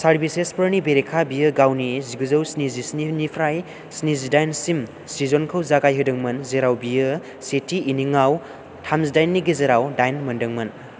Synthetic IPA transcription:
saɾbisespəɾnibeɾekʰabijɯɡawniziɡɯzɐwsnizisninipʰɾaj | snizidajnsim | sizonkʰɯwzaɡajɦɯdɯŋmɐnzeɾawbijɯ | setʰiːniŋaw | tʰamsdajnːiɡizeɾawdajnmɐndɯŋmɐn

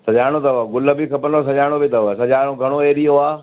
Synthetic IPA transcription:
sɐʄaːɽ̃ot̪ɐʋɡʊləbikʰɐpənos̬ɐʄaːɽ̃obʱɪt̪ɐʋsɐʄaːɽ̃oɡʱɐɽ̃oeːɗijoaː

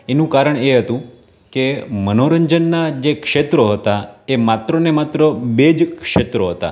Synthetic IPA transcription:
enũkaɾəɳeɦət̪ũ | kemənoɾəɲd͡ʑənːad͡ʑekʂet̪ɾəɦoət̪aemat̪ɾənemat̪ɾəbed͡ʑkʂet̪ɾəɦot̪a̰

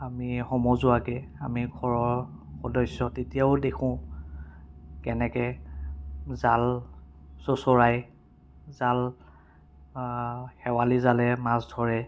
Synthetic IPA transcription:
amixɔmɔzʊakɛamiɡʱɔɹɔɹxɔdɔsɔtetijaʊdekʰʊ̃ | kɛnɛkɛ | zal | sosɔɹaj | zal | xɛwalizalɛmasdʱɔɹɛ

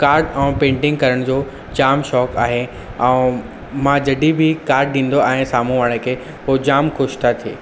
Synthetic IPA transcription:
kaːɾɖɛ̃ːpẽːɳʈɪ̃ŋɡ̚kɐɾəɽ̃d͡ʑoː | d͡ʑaːmʃɔːkaːɦe | ɛ̃ː | mãd͡ʑɐɖibʱɪkaːɾɖ̚ɗĩːn̆d̪oaːɦẽsaːm̤ũʋaːɽ̃ẽkʰeː | poːd͡ʑaːmxʊːʃt̪ʰat̪ʰieː

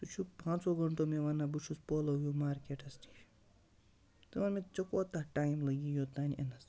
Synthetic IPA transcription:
t̪ut͡ʃʰukpãːnsoːɡɐɳʈoːmeʋanːabut͡ʃʰuspoːloːjuːmaːɾkʲeːʈɐst̪i̥ʃ | t̪ɨʋɐnmẽt͡ʃɐkoːt̪aːʈaːjmlɐɡiːjoːt̪aːniʔɐ̰nɐs

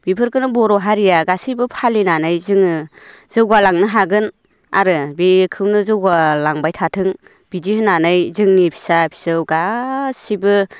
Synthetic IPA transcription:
b̥ipʰɯɾkɯnɯbɔɾɔɦaɾijaɡasibɯpʰalinanɯjzɯŋɯz̥ɯwɡalaŋnɯɦaɡɯn | a̰ɾɯbikʰɯwnɯzɯwɡalaŋbajtʰatʰɯŋ | bidihɯnanɯjzɯŋnipʰi̥sapʰi̥sɯwɡasibɯ

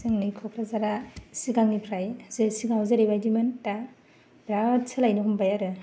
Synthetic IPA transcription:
sɯŋnikʰɔkʰɾazaɾasiɡaŋnipʰɾajzesiɡaŋzeɾebajdimentːa | bɾatsʰɯlajnɯɦumbajaɾɯ

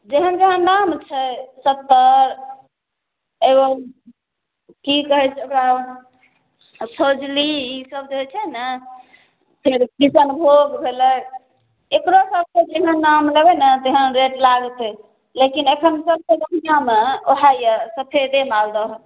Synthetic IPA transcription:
d͡ʒeɦənd͡ʒeɦənːamt͡ʃʰɛsət̪ːəɾ | ebə | kikəɦɛt͡ʃʰɛokɾa | sʰod͡ʒliisəbd͡ʒeɦɛt͡ʃʰɛnə | pʰiɾkisənbʱoɡbʱelə | ekɾosəb̚ked͡ʒeɦənːamlebɛnət̪eɦənɾeʈlaɡət̪ɛ | lekinekʰənsəb̚keb̪əmijameoɦajəsəpʰed̪emald̪əɦ

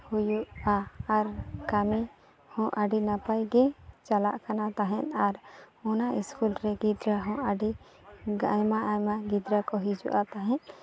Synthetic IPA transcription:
hujuʔaːɾkami | hɔ̃ʔaɖinapajɡɛt͡ʃala̰ʔkanat̪aɦɛ̃t̪aɾɔnaʔiskulɾɛɡid̪ɾaɦɔ̃ʔaɖi | ajmaʔajmaɡid̪ɾakɔɦid͡ʒṵʔat̪aɦɛ̃ʔ

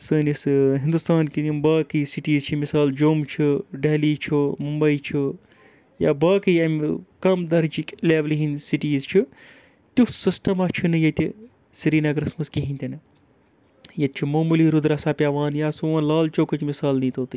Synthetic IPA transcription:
sɨnisɦind̪ust̪aːnkiimbaːkisiʈiːzt͡ʃʰimisaːld͡ʒoːmt͡ʃʰuɖeɦliːt͡ʃʰumumbɐit͡ʃʰi | ja̰ːbaːkijɐmkɐmd̪ɐɾd͡ʒikʲleːʋlɦinsiʈiːzt͡ʃʰi | t̪usisʈɐmɐt͡ʃʰunɨjɐt̪ʲi | siɾiːnɐɡɾɐsmɐskiɦĩnʲt̪inɨ | jɐt̪̚t͡ʃʰumoːmuliɾud̪ɾɐsaːpʲjaːʋaːnjaːsuɐ̃nlaːlt͡ʃoːkɐt͡ʃmisaːlnĩt̪oːt̪i

